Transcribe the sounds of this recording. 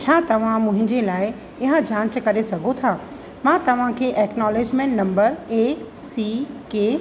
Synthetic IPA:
t͡ɕʰaːt̪ɐʋ̤ãmʊ̃ɦɪ̃ɲd͡ʑelaːɪ | ɪɦə̃d͡ʑaːnt͡ɕəkɐɾesɐɡʱot̪ʰaː | mãːt̪ɐʋ̤ãkʰeːʔɛːknɔːleːd͡ʑmẽːɳʈnɐ̃mbəɾeːk | siːkeː

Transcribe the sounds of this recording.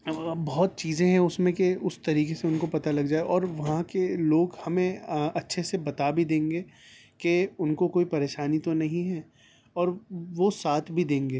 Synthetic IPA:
bɔːt̪̚t͡ʃiːzẽɦɛ̃ʊsmẽkeʊst̪ɐɾiːkeseʊnkopɐt̪alɐɡd͡ʒaːeʔɔːɾʋɐɦãkeloːɡhɐmẽɐtːʃʰesebɐt̪abʱid̪ẽːŋɡeː | keʊnkokoːipɐɾeːʃaːnit̪onɐɦĩɦɛː | ɔːɾʋosaːt̪ʰbʱid̪ẽːŋɡeː

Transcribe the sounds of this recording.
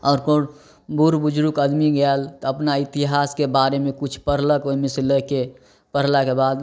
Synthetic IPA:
ɔːɾkoɾ | buɾbud͡ʒɾukəd̪miɡalt̪ɔəpnait̪iɦaːskebaɾemẽkut͡ʃʰpəɾ̤ləkoimeseləke | pəɾ̤lakebad̪

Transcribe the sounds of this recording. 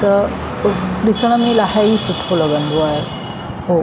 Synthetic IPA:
t̪əɾ | d̪isɳ̃amilaɦaiːsuʈ̪ʰoləɡənd̪ʱuaɦe | ho

